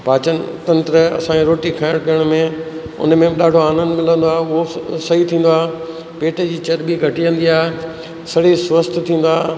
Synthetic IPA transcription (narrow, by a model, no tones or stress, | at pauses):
paːt͡ɕən̰t̪ɐ̃nt̪ɾəɐ̰sãkʰeɾoːʈikʰaːɪɽ̃kɐjəɽ̃mẽ | ʊ̰nmẽɗaːɖʱoaːnə̃nd̪mɪlə̃nd̪oaːɦʊɦosɐɦit̪ʰĩːn̆d̪oaːɦ | peːʈʰəd͡ʑiːt͡ɕɐɾbiɡʱɐʈiʋə̃nd̪iaːɦe | sɐɽ̤isʋəst̪ʰt̪ʰĩːn̆d̪aː